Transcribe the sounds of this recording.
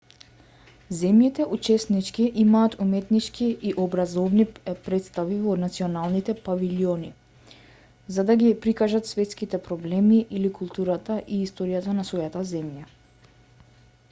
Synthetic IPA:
zɛmjit̪ɛʔut͡ʃɛsnit͡ʃkiʔimaːt̪ʰumɛt̪nit͡ʃkʰiiʔɔbɾazɔvnipɾɛt̪st̪avivɔnat̪siɔnalˠnit̪ɛpaviliɔni | zad̪aɡipɾikaʒat̪svɛt̪skit̪ɛpɾɔblɛmiʔilikulˠt̪uɾat̪aʔiːst̪ɔɾijat̪anasvɔjat̪azɛmja

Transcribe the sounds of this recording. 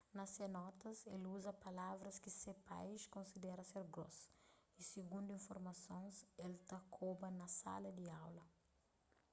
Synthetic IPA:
nɐsenɔt̪ɐseluzɐpɐlavɾɐskisepa̰jʃkõnsid̪ɛɾɐseɾɡɾo̰s | isiɡũnd̪uĩnfoɾmɐsõnselt̪ɐkʰobɐnɐsa̰lɐd̪iawlɐ

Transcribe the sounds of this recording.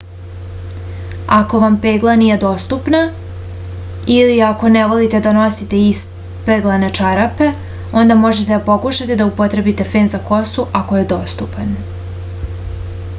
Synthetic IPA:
ako̞ʋampeːɡlˠaniːje̞d̪o̞ːst̪upna | iliako̞neʋo̞lit̪ed̪ano̞sit̪e̞is | peɡlˠanet͡ʃaɾape̞ | o̞nd̪amo̞ʒe̞t̪ed̪apo̞kuʃat̪e̞d̪aupo̞t̪ɾe̞bit̪e̞fe̞ːnzako̞suʔako̞je̞d̪o̞ːst̪upan

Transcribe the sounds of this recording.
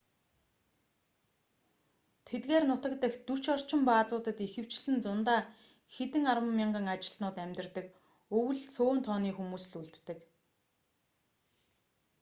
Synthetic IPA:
t̪ʰet̪ɡeːrnʊt̪ə̆kt̪ə̆xt̪ur̥ʰt͡ɕɔr̥t͡ɕɪ̆mpaːt͡sʊːt̪ə̆t̪ixɘ̆w̥t͡ɕɮɘ̆nt͡sʊnt̪aː | xet̪ɘ̆ŋarwə̆mːʲiɴɢə̆ŋat͡ɕɪ̆ɮnʊːt̪æmʲt̪ɪ̆rt̪ə̆k | ɵwɘ̆ɮt͡sʰoːnt̪ʰɔːniːxumuːsɮuɮt̪ːɘ̆k

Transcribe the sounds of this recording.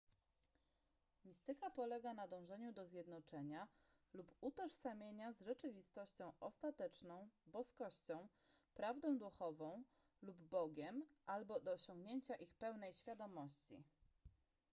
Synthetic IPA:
mʲist̪ɘkapɔlɛɡanad̪ɔ̃w̃ʐɛɲud̪ɔzʲjɛd̪nɔt͡ʂɛɲa | luput̪ɔʂsamʲjeɲazʐɛt͡ʂɘvʲist̪ɔɕt͡ɕɔ̃w̃ʔɔst̪at̪ɛt͡ʂnɔ̃w̃bɔskɔɕt͡ɕɔ̃w̃ | pɾavd̪ɔ̃w̃d̪uxɔvɔ̃w̃ | lubːɔɡʲɛmʔalbɔd̪ɔːɕɔ̃ŋɡɲeɲt͡ɕaʔixpɛwn̪ɛjɕfʲjad̪ɔmɔɕt͡ɕḭ

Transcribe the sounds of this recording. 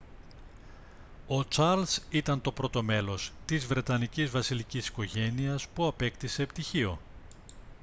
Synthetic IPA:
o̞t͡ʃɐɾlsit̪ɐnt̪o̞pɾo̞t̪o̞me̞lo̞st̪izvɾe̞t̪ɐnicizvɐsilicisi̥ko̞ʝe̞niɐspuɐpe̞kt̪ise̞ːpt̪içio̞̰

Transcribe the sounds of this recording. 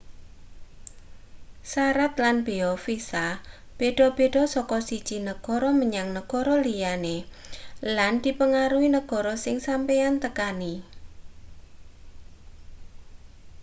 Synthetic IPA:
saɾat̪lanb̥e̤ɔfisa | b̥eɖ̥ɔ̤b̥e̤ɖɔ̤sɔkɔsid̥ʒ̥i̤nəɡ̥ɔ̤ɾɔməɲaŋnəɡ̥ɔɾɔlijane | land̪̥i̤pəŋaɾuinəɡ̥ɔ̤ɾɔsɪŋsampejant̪əkani

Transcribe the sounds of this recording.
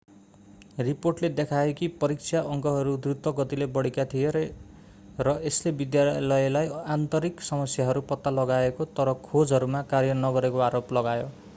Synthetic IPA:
riporʈled̪ekʰaekipʌɾik̚sʰaʔʌŋkʌɦʌɾud̪rut̪wʌɡʌt̪ilebʌɽikat̪ʰijeɾ | ɾʌeslebid̪jalʌjlajant̪ʌɾiksʌmʌsjaɦʌɾupʌt̪ːalʌɡaekot̪ʌɾʌkʰod͡zʱɦʌɾumakarjʌnʌɡʌɾekoaɾoplʌɡajo

